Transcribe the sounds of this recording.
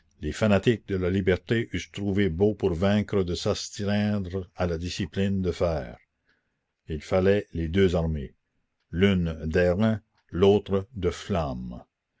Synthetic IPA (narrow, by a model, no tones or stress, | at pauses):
lefanat̪ik̚d̪əlalibɛʁt̪eʔyst̪ɾuvebopuʁvɛ̃kɾəd̪əsast̪ɾɛ̃d̪ʁalad̪isiplind̪əfɛːʁ | ilfalɛled̪øːzaʁme | lynd̪ɛʁɛ̃ | loːt̪ɾəd̪əflam